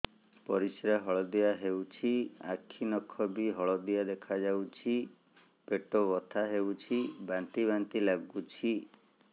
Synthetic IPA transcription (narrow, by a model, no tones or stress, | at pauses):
pɔɾisɾaɦɔɭɔd̪ijaɦewt͡ʃʰiakʰinɔkʰɔbiɦɔɭɔd̪ijad̪ekʰad͡ʒawt͡ʃʰi | peʈobɔt̪ʰaɦewt͡ʃʰibant̪iβant̪ilaɡut͡ʃʰi